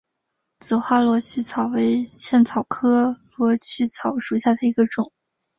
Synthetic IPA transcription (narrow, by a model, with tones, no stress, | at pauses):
t͡sɹ̩˨˩xwa˥˧lwɔ˧˥t͡ɕʰy˥˩t͡sʰɑ˨˩ʊwe˧˥ɪt͡ɕʰjɛ˥˩nt͡sʰɑ˨˩ʊkʰɤ˥lwɔ˧˥t͡ɕʰy˥˩t͡sʰɑ˨˩˦ʊʂu˨˩ɕja˥˩d̪ə˩i˧˥ɡə˧ʈ͡ʂʊ˨˩˦ŋ